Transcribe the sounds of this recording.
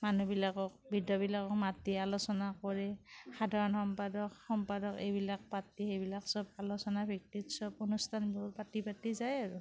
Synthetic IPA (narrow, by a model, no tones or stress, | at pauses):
manubilakɔk̚bʱidɔbilakɔk̚matialosɔnakɔɹɛxadʱaɹɔnxɔmpadɔkxɔmpadɔkejbilak̚patixejbilaksɔb̚alosɔnabʱik̚titsɔbonustʰanbɹpatipatizajaɹu